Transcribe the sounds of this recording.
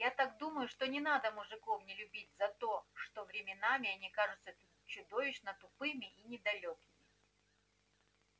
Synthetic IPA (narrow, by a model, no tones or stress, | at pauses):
jat̪akd̪uməjʊʂt̪o̞nʲɪnad̪əmʊʐɨko̞fnʲɪlʲʊbʲitʲzɐt̪o̞ʂt̪o̞vɾʲɪmʲɪnamʲɪɐnʲikaʐɨt̪sə | t͡ɕʊd̪o̞vʲɪɕnət̪ʊpɨmʲɪʔinʲɪd̪ɐlʲokʲɪmʲɪ